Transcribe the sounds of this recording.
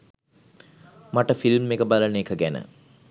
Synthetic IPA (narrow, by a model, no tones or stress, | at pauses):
maʈəfilmːekəbaləneːkəɡænə̰